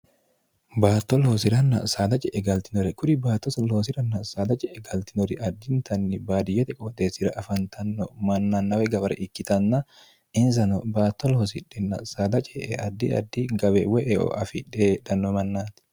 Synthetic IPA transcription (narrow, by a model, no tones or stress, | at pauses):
baːt̪ːɔloːsɪɾɐnːɐ̰saːd̪ɐt͡ʃʼɛʔɛɡɐlt̪ɪnɔɾɛkʊɾɪbaːt̪ːɔsɐloːs̬ɪɾɐnːɐsaːd̪ɐt͡ʃʼɛʔɛɡɐlt̪ɪnɔɾɛʔɐd̪ːɪnt̪ɐnːɪbaːd̪ɪjɛt̪ɛkʼɔd̪eːsɪɾɐʔɐfɐnt̪ʰɐnːɔmɐnːɐnːɐwɛɡɐbɐɾɛ̰ʔɪkːɪt̪ɐnːɐ | ʔɪns̬ɐnɔbaːt̪ːɔloːs̬ɪᶑɛnːɐ̰saːd̪ɐt͡ʃʼɛʔɛɐd̪ːɪɐ̰d̪ːiɡɐbɛwɛʔɛʔɔ̰ʔɐfɪᶑed̪ɐnːɔmɐnːaːt̪ɪ̥